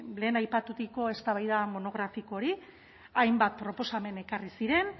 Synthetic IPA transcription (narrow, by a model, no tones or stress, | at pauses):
le̞ːnajpat̪uðiko̞e̞st̪aβajðamo̞no̞ɣ̞ɾafiko̞ɾi | ajmbat̪̚pɾo̞po̞same̞ne̞karisiɾe̞n